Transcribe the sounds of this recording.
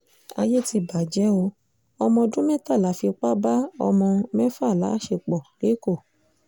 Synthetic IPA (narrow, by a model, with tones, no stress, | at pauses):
a̰˧je˦ti˧ba˨d͡ʒɛ˨˦o˧ | ɔ˧mɔ̃˧dũ˦mɛ̃˦ta˦˨la˨˦fi˧k͡pa˦ba˦ɔ̰˧mɔ̃˧mɛ̃˦fa˦˨la̰˨˦ʃe˧k͡pɔ˨le˨˦ko˦˨